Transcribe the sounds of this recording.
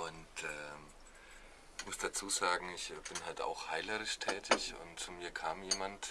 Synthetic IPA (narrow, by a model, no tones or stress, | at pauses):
ʔʊntɛː | çmʊsd̥at͡suːzaːɡŋ̩ɪçb̥ɪnhalta̰ʊxhaɪləʁɪʃtʰɛːtʰɪçʊ̰ntmiːɐkʰaːmjeːmant